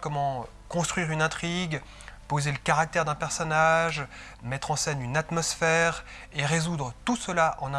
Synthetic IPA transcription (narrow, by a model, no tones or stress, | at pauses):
kɔmɑ̃ | kɔ̃st̪χɥiʁynɛ̃t̪χiɡ | pozeləkaʁak̚t̪ɛʁd̪ɛ̃pɛʁsɔnaʒ | mɛt̪χɑ̃sɛnynat̪mɔsfɛʁ | eʁezud̪ʁət̪usəlaʔɑ̰̃ñ